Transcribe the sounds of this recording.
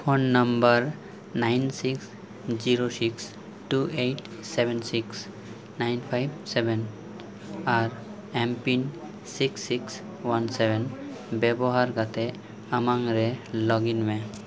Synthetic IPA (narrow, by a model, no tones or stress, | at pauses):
pʰonːʌmbəɾ | najnsiks | ziɾosiks | ʈuʔejʈsebʱɛnsiks | najnpʰajb̚sebɛn | aɾ | ɛmpin | siksːiks | wanseben | bɛbɔɦaɾɡat̪e | amaŋɾelɔɡinme